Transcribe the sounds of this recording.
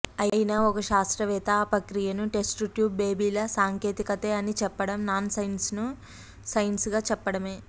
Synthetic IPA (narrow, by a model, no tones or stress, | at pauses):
ɐjinɐɔkɐʃaːst̪ɾɐʋɛːt̪aːpɐkɾijɐnuʈe̞sʈʈjuːbːeːbiːlɐsaːŋke̞ːt̪ikɐt̪eːɐnit͡ʃɛpːɐɽɐmnaːnsɐjnsnu | sɐjnsɡaːt͡ʃɛpːɐɽɐme̞ː